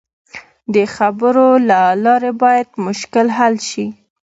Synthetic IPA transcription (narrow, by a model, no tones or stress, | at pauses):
d̪əxabəɾolalɑɾebɑjad̪mʊʃkɪlɦalʃi